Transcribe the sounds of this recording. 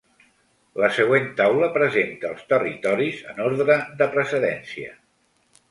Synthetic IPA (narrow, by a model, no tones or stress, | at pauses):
ləsəɣwent̪awləpɾəzent̪əːlˠst̪ərit̪ɔɾizənoɾðɾəðd̪əpɾəsəðɛnsiə̰